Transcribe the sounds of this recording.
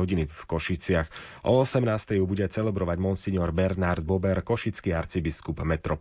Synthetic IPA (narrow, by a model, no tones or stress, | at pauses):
ɔɟinifkɔʃit͡sɪax | ʔɔːsɛmnaːst̪ɛjubuɟɛt͡sɛlɛbɾɔʋaɟmɔnsiɲɔɾbɛɾnaɾd̪̚bɔbɛɾkɔʃit͡skiaɾt͡sibiskubmɛt̪ɾɔ